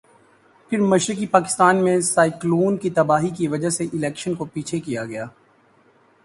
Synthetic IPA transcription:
pʰɪɾmɐʃɾɪkipaːkɪ̥st̪aːnmẽsaːɪkloːnkit̪ɐbaːɦikiʋɐd͡ʒaɦseʔɪlɛːkʃənkopiːt͡ʃʰekijaɡɐjaː

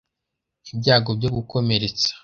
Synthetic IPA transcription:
ibɟaːɡobɟo̞ɡuko̞me̞ɾet͡sḁ

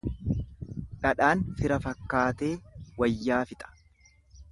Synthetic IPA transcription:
ᶑɐᶑaːnfɪɾɐfɐkːaːt̪eːwɐjːaːfɪt̪ʼɐ̥

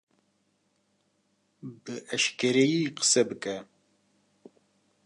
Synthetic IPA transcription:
bɨʔɐʃkʰɐɾejiqə̥sɐbɨkʼɐ

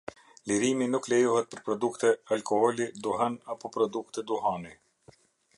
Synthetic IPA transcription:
liɾiminuklɛjuhɛt̪̚pəɾpɾɔd̪ukt̪ɛalkɔhɔlid̪uɦɛnapɔpɾɔd̪ukt̪ɛd̪uhani

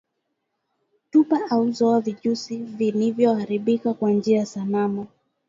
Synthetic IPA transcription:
tupaʔauzɔaviʄusivilivjɔhaɾiɓikakwand͡ʒiajasamama

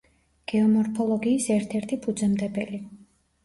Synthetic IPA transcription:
ɡ̥ɛɔmɔɾpʰɔlˠɔɡiːsɛɾt̪ʰɛɾt̪ʰipʰud̪zɛmd̪ɛbɛli

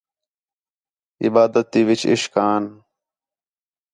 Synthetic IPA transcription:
ɪ̰baːd̪ət̪ːiːʋit͡ɕɪ̰ʃkaːn

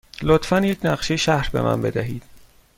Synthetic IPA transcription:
lot̪fænje̞cʰnæɢʃejeʃæhɾbe̞̰mʔæ̰nbe̞̰d̪æɦiːd̪̥

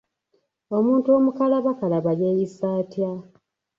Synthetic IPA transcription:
o̞muːntuo̞mukalaβakalaβajeːjisaːtja

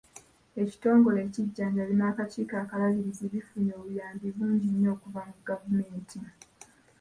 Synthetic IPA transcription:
e̞ci̥to̞ːŋɡo̞le̞ːciɟːaːɲɟalinaːkaciːkaːkalaliɾiziβifuɲo̞ːβujaːmbiβuːɲɟiɲːo̞ːkuvamuɡavume̞ːntʰi

